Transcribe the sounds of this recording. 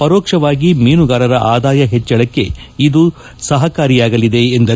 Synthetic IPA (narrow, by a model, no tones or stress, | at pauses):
pɐɾɔːkʂɐʋaːɡimiːnuɡaːɾɐɾɐʔaːd̪aːjɐɦet͡ʃːɐɭɐkːe̞̰ | id̪u | sɐɦɐkaːɾijaːɡɐlid̪e̞ːnd̪ɐ